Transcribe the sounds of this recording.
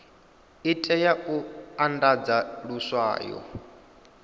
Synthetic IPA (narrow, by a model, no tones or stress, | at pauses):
itʼɛjaʔuandad͡zaluswa̰ːjɔ̰